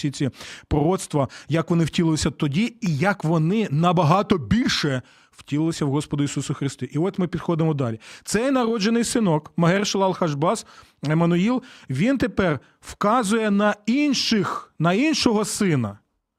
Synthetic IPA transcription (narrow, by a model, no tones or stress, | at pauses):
sʲit͡sʲipɾɔɾɔt̪st̪ʋɐjɐkʋɔnɪwtʲilˠɪlˠɪsʲɐt̪ɔdʲiijɐkʋɔnɪnɐbɐɦɑt̪ɔbʲilʲʃɛ | wtʲilˠɪlˠɪsʲɐwɦɔspɔd̪ʊisusʊxɾɪst̪ɪʔiɔt̪ʲmɪpʲid̪xɔd̪ɪmɔd̪ɑlʲit̪sɛjnɐɾɔd͡ʒenɪjsɪnɔkmɐɦɛrʃlˠɐlˠxɐʒbɑs | emɐnʊilˠʋʲint̪epɛr | wkɑzʊjɛnɐinʃɪxnɐinʃɔɦɔsɪnɐ